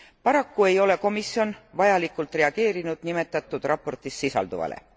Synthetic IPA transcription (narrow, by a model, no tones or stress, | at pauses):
pɑɾɑkːue̞jo̞le̞ko̞misio̞nvɑjɑlikːˑult̪ˑre̞ɑɡ̥e̞ːɾinud̪̥nime̞t̪ːˑɑt̪ːˑud̪̥rɑpːˑo̞rt̪isːisɑ̰ld̪uvɑ̰lḛ